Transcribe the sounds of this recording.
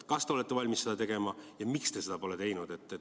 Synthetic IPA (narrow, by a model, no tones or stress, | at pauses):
kɑst̪e̞olet̪ːˑe̞vɑlʲmisːe̞d̪ɑt̪e̞ɡ̥e̞mɑjɑmikst̪e̞se̞d̪ɑpo̞let̪e̞jnud̪e̞t̪ːˑe